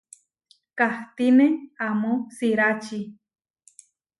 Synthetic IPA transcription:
kaht̪ineamosiɾat͡ʃi

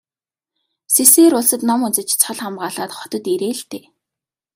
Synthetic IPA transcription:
seseːɾʊɮsə̆t̪nɔmunt͡sɘ̆t͡ɕt͡sʰɔɮχamɢaːɮaːt̪χɔt̪ɞ̆t̪iɾeːɬt̪eː

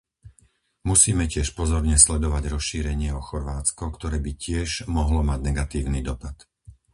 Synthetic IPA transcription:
musiːmɛcɪɛʃpɔzɔɾɲɛslɛd̪ɔʋaɟɾɔsʃiːɾɛɲɪɛɔxɔɾʋaːt͡skɔkt̪ɔɾɛːbicɪɛʒmɔɦlɔmaɟnɛɡat̪iːʊniːd̪ɔpat̪

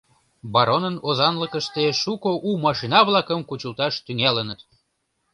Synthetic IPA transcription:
bɑɾonənozɑnləkəʃt̪eʃukoʔumɑʃinɑβlɑkəmkut͡ɕult̪ɑʃt̪yŋælənət̪

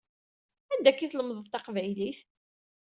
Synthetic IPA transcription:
ænd̪ækːiθləmðˤəvt̪ɑqvæjliθ

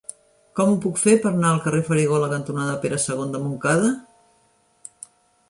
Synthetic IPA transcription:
kɔmupukfepəɾnaəlˠkərefəɾiɣ̞oləkənt̪unaðəpeɾəsəɣ̞ond̪əmuŋkaðə

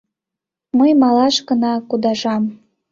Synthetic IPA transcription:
məjmɑlɑʃkə̆nɑkud̪ɑʒɑm

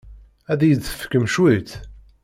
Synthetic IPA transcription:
æðjəd̪θə̥fkːəmʃwit̪

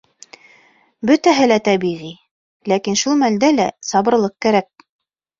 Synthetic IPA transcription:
bɵt̪æɦɘlæt̪æbiʁi | lækinʃulˠmæld̪ælæsɑbɤ̆ɾlˠɤq̚kæɾæk̚

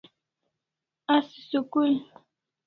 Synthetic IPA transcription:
asɪ̥sʊkʊl

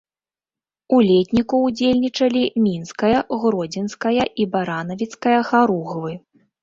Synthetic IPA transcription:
ulʲetʲnʲikuːd͡zʲelʲnʲit͡ʂɐlʲimʲinskɐjɐɣɾɔd͡zʲinskɐjɐʔibaɾan̪ɐvʲit̪skɐjɐxaɾuɣvɨ

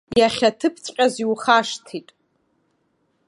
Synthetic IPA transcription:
jaχʲatʰɨpʰt͡sʰʷʼqʲʼaziwχaʂtʰitʼ

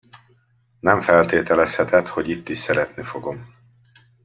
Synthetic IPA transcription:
nɛɱfɛlt̪eːt̪ɛlɛshɛt̪ɛt̪ho̞ɟit̪ːiʃsɛɾɛt̪nifo̞ɡo̞m

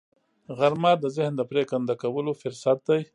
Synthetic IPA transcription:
ɣaɾmɑd̪əzɪhnd̪əpɾekand̪akawəlofʊɾsat̪̚d̪aj

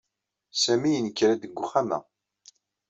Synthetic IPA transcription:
sæmijənəkːɾæd̪əɡʷːʊχamæ̰

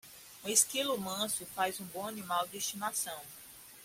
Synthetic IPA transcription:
ũeskilʊmɐ̃sʊfajzũbõanimawdɪest͡ʃinasɐ̃w̃

